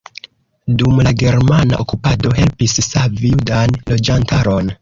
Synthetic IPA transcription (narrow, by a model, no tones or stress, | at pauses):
dumlaɡe̞ɾmana̰ʔokupado̞ɦe̞lpisːavijudanlo̞d͡ʒantʰaɾo̞n